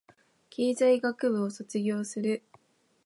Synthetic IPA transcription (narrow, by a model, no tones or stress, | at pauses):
kʲeːzaiɡakɯ̟bɯ̟oso̞t͡sɨɡʲo̞ːsɨɾɯ̟